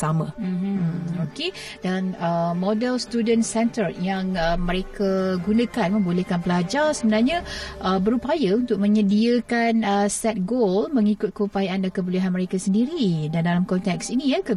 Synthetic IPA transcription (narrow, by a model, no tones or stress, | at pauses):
samãm̩mokedanəmɔdɛlst̪udənsɛnt̪ərjaŋəməɾekʰaɡunə̃kanmə̃mbolehkanpəlad͡ʒarsəbənarɲaʔəbəɾupajaunt̪ʊk̚mə̃ɲədiəkanəsɛt̪̚ɡolməŋikʊt̪̚kəupajaʔandakəbuleɦanməɾekasəndiɾidandalamkɔnt̪ɛksinijakə